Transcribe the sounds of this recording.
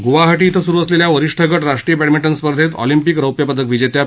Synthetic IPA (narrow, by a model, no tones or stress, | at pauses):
ɡuʋaɦaʈiːt̪ʰəsuɾuːəsleljaʋəɾiʂʈʰəɡəʈɾaʂʈɾijəbɛɽmiʈənspəɾd̪ʱet̪ɔ̰limpikɾəwpjəpəd̪ʱəkʋid͡ʑet̪ja